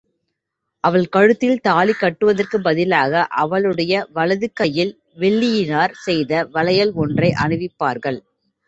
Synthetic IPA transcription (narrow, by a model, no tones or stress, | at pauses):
ʔɐʋɐɭkɐɻɯt̪ːɪlt̪aːɭikːɐʈːɯʋɐðɐrkɯbɐðɪlaːɣɐʔɐʋɐɭɯɽɐjɐʋɐɭɐðɯkːɐjɪl | ʋɛɭːɪjɪnaːɾsɛjðɐʋɐlɐjɐlɔndrɐɪʔɐɳɯʋɪpːaːɾɣɐɭ